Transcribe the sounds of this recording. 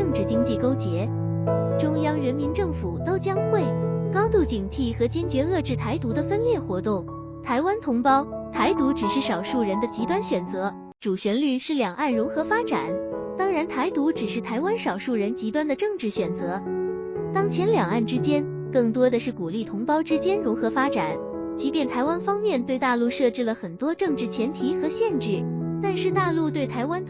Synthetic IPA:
ɤ˥˧ŋʈ͡ʂɻ̩˥˩t͡ɕi˥ŋt͡ɕi˥˩ko˥ʊt͡ɕjɛ˧˥ | ʈ͡ʂʊ˥ŋjɑ˥ŋɻə˧˥nmi˧˥nʈ͡ʂɤ˥˩ŋfu˨˩˦t̪o˥ʊt͡ɕjɑ˥ŋxwe˥˩ɪkɑ˥ʊt̪u˥˩t͡ɕi˨˩ŋt̪ʰi˥˩xɤ˧˥t͡ɕɛ˥nt͡ɕɥɛ˧˥ɤ˥˧ʈ͡ʂɻ̩˥˩t̪ʰa˧˥ɪt̪u˧˥d̪ə˨fə˥nljɛ˥˩xwɔ˧˥t̪ʊ˥˩ŋ | t̪ʰa˧˥ɪwa˥nt̪ʰʊ˧˥ŋpɑ˥ʊt̪ʰa˧˥ɪt̪u˧˥ʈ͡ʂɻ̩˨˩ʂɻ̩˥˩ʂɑ˨˩ʊʂu˥˩ɻə˧˥nd̪ə˧t͡ɕi˧˥t̪wa˥nɕɥɛ˨˩nt͡sɤ˧˥ | ʈ͡ʂu˨˩ɕɥɛ˧˥nly˥˧nʂɻ̩˥˩ljɑ˨˩ŋʔa˥˩nɻu˧˥xɤ˧˥fa˥ʈ͡ʂa˨˩˦nt̪ɑ˥ŋɻa˧˥nt̪ʰa˧˥ɪt̪u˧˥ʈ͡ʂɻ̩˨˩ʂɻ̩˥˩t̪ʰa˧˥ɪwa˥nʂɑ˨˩ʊʂu˥˩ɻə˧˥nt͡ɕi˧˥t̪wa˥nd̪ə˨ʈ͡ʂɤ˥˧ŋʈ͡ʂɻ̩˥˩ɕɥɛ˨˩nt͡sɤ˧˥ | t̪ɑ˥ŋt͡ɕʰjɛ˧˥nljɑ˨˩ŋa˥˩nʈ͡ʂɻ̩˥t͡ɕjɛ˥n | kɤ˥˩ŋt̪wɔ˥d̪ə˨ʂɻ̩˥˩ku˨˩li˥˩t̪ʰʊ˧˥ŋpɑ˥ʊʈ͡ʂɻ̩˥t͡ɕjɛ˥nɻʊ˧˥xɤ˧˥fa˥ʈ͡ʂa˨˩˦n | t͡ɕi˧˥pjɛ˥˩nt̪ʰa˧˥ɪwa˥nfɑ˥ŋmjɛ˥˧nt̪we˥˧ɪt̪a˥˧lu˥˧ʂɤ˥˧ʈ͡ʂɻ̩˥˩lə˩xə˨˩nt̪wɔ˥ʈ͡ʂɤ˥˧ŋʈ͡ʂɻ̩˥˩t͡ɕʰjɛ˧˥nt̪ʰi˧˥xɤ˧˥ɕjɛ˥˧nʈ͡ʂɻ̩˥˩t̪a˥˧nʂɻ̩˥˧t̪a˥˧lu˥˧t̪we˥˩ɪt̪ʰa˧˥ɪwa˥n

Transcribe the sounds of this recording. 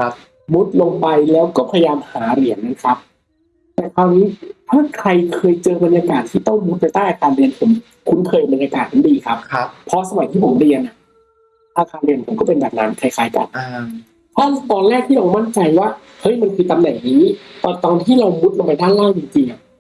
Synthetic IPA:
mu˦˥t̪̚lo˧ŋpa˧jlɛː˦˥wkɔː˥˩pʰa˧ja˧jaː˧mhaː˩˦ɾi˩˦ənːa˦˥kʰa˦˥p̚ | t̪ɛː˨˩kʰaː˧wniː˦˥t̪ʰaː˥˩kʰɾa˧jkʰɤː˧jt͡ɕɤː˧ba˧nja˧kaː˨˩t̪ʰːiː˥˩t̪ɔ˥˩ŋmu˦˥t̪̚pa˧jt̪aː˥˩jʔaː˧kaː˧nɾi˧ənpʰo˩˦m | kʰu˦˥npʰɤː˧jba˧njaː˧kaː˨˩t̪̚ʰa˨˩˦diː˧kʰa˦˥p̚ʰpʰɾɔ˦˥sa˧ma˨˩˦jt̪ʰiː˥˩pʰo˩˦mɾi˧ənʔa˨˩ | t̪aː˧kaː˧nɾi˧ənpʰo˨˩˦mkɔː˥˩pe˧nbɛː˨˩k̚na˦˥nkʰa˧jkʰaː˨˧˦jka̰˨˩n | t̪ʰaː˥˩t̪ɔː˧nlɛː˥˩k̚t̪ʰiː˥˩ɾa˧wma˥˩nt͡ɕa˧jwaː˥˩ | hɤ˦˥jma˧nkʰɯː˧t̪a˧mnɛ˨˩ŋniː˦˥t̪ɔ˨˩t̪ɔː˧nt̪ʰiː˥˩ɾa˧wmu˦˥t̪̚lo˧pa˧jdaː˥˩nlaː˥˩k̚t͡ɕi˧ŋt͡ɕi˧ŋʔa˨˩

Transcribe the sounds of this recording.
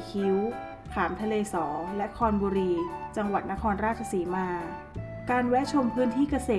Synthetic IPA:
kʰi˦˥w | k̪ʰaː˩˦mt̪ʰa˧leː˧sɔː˩˦lɛ˦˥ʔkʰɔː˧nbuː˧ɾiː˧t͡ɕa˧ŋwa˨˩t̪̚na˦˥kʰɔː˧nɾaː˥˩t̚t͡ɕʰa˧siː˩˦maː˧ | kaː˧nwɛ˦˥t͡ɕʰo˧mpʰɯː˦˥nt̪ʰiː˥˩ka˧seː˨˩

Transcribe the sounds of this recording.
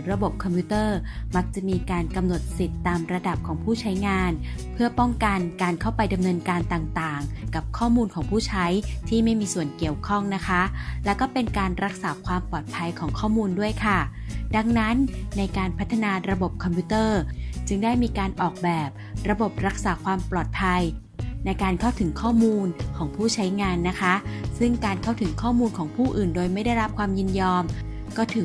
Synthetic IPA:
ɾa˧bo˨˩p̚kʰɔ˧mpʰu˦˥t̪ɤː˥˩ma˦˥k̚t͡ɕa˨˩miː˧kaː˧nka˧mno˨˩t̪̚si˨˩t̪ːaː˧mɾa˧da˨˩p̚kʰɔː˩˦ŋpʰuː˥˩t͡ɕʰa˦˥jŋaː˧n | pʰɯ˥˩ɐpɔ˥˩ŋka˧nkaː˧nkʰa˥˩wpa˧jda˧mnɤː˧nkaː˧nt̪aː˨˩ŋt̪aː˨˩ŋka˨˩p̚kʰɔː˥˩muː˧nkʰɔː˩˦ŋpʰuː˥˩t͡ɕʰa˦˥jt̪ʰiː˥˩ma˥˩jmiː˧su˨˩ənki˨˩əwkʰɔ˥˩ŋna˦˥kʰa˦˥lɛː˦˥wkɔː˥˩pe˧nkaː˧nɾa˦˥k̚saː˩˦kʰwaː˧mpɔː˨˩t̪̚pʰa˧jkʰɔː˩˦ŋkʰɔː˥˩muː˧ndu˥˩əjkʰa˥˩da˧ŋna˦˥nːa˧jkaː˧npʰt̪ʰːa˧naː˧ɾa˧bo˨˩p̚kʰɔ˧mpʰu˦˥t̪ɤː˥˩t͡ɕɯ˧ŋdaː˥˩jmiː˧kaː˧nʔɔː˨˩k̚bɛː˨˩p̚ɾa˧bo˨˩p̚ɾa˦˥k̚saː˩˦kʰwaː˧mplɔː˨˩t̪̚pʰa˧j | na˧jkaː˧nkʰa˥˩wt̪ʰɯ˨˩˦ŋkʰɔː˥˩muː˧nkʰɔː˩˦ŋpʰuː˥˩t͡ɕʰa˦˥jŋaː˧nːa˦˥kʰa˦˥sɯ˥˩ŋkaː˧nkʰa˥˩wt̪ʰɯ˩˦ŋkʰɔː˥˩muː˧nkʰɔː˩˦ŋpʰuː˥˩ʔɯː˨˩ndoː˧jma˥˩jda˥˩jɾa˦˥p̚kʰwaː˧mjɯ˥˩njɔː˧m | kɔː˥˩t̪ʰɯ˨˩˦

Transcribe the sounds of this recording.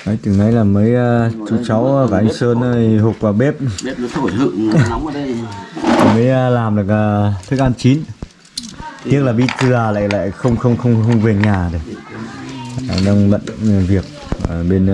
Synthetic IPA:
nə˨˦jt̪ɨ˨˩na˨˧˦jlaː˨˩məː˨˦jt͡ɕu˨˦t͡ɕa˨˦wkaː˨˩ʔa˧ŋsəː˧n˧˨hʊ˨˩k͡p̚vaː˨˩ɓe˦˥p̚ | ɨ̰˧˨˧ | i˨˩məː˨˦jlaː˨˩mɗɨ˨˩əkə˨˧˩t̪ʰɨ˦˥k̚ʔaː˧nt͡ɕi˨˦n | t̪i˦˥ək̚laː˨˩ɓḭ˧˥t̪ɨ˨˧˩əla̰ː˧˨jla̰ː˧˨jxə˧wŋ͡mxə˧wŋ͡mxə˧wŋ͡mxə˧wŋ͡mve˨˩ɲaː˨˩ɗə˨˩k | ɗa˧ŋɓə̰˧˨n˨˩vi˨˩ək̚ː | ɓe˧n

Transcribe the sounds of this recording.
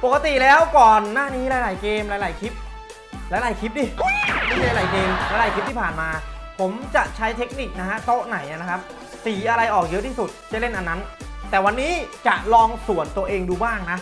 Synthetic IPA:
po˨˩k̚ːa˧t̪i˨˩lɛː˦˥wkɔː˨˩nːaː˥˩niː˦˥ɾaː˧jlaː˨˩˦jkeː˧mɾaː˧jlaː˨˩˦jkʰi˦˥p̚ | ɾaː˧˥jla˨˩jkʰi˦˥p̬̚diː˧˩ma˥˩mi˧a˧laː˨˩jkeː˧mɾaː˧˦jlaː˨˩jkʰi˦˥p̚t̪i˥˩pʰaː˨˩nmaː˧pʰo˩˦mt͡ɕa˨˩ʔt͡ɕʰa˦˥jt̪ʰe˦˥k̚ni˨˩k̚na˦˥kʰa˦˥t̪o˦˥ʔna˨˩˦jʔa˧˩na˦˥kʰa˦˥p̚ | siː˩˦ʔa˧ɾa˧jʔɔː˨˩k̚jɤ˦˥ʔt̪ʰiː˥˩su˨˩t̪̚t͡ɕa˨˩le˥˩nʔa˧nːa˦˥nt̪ɛː˨˩wa˧nːiː˦˥t͡ɕa˨˩ʔlɔː˧ŋsu˨˩ənt̪u˧ɐʔeː˧ŋduː˧baː˥˩ŋna˦˥

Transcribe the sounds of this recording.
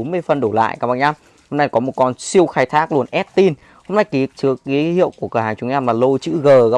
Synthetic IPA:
mɨ˧əjfə˨˩nɗo˧˩la̰ː˧˨jkaː˨˦˩ɓa̰ː˧˩ɲaː˧m | ho˧mna˧jkɔ˨˦mo˨˩t̚kɔ˧nsi˧əwxaː˧jt̪ʰaː˦˥k̚lu˧ənʔɛ˦˥t̚t̪i˧n | ho˧mna˧jki˨˦t͡ɕɨ˨˩əkːi˨˦hḭ˧˨əwku˧˩əkəː˧˩haː˨˩ŋt͡ɕʊ˨˦ŋɲaː˧mlaː˨˩lo˧t͡ɕɨ̰˧˥ɣəː˨˩ɣa˨˧

